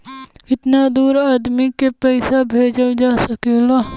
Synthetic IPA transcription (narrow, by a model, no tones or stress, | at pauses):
ɪt̪nad̪uːɾaːd̪mikepɛɪsabʱeːd͡ʒəld͡ʒaːsɐkeːlaː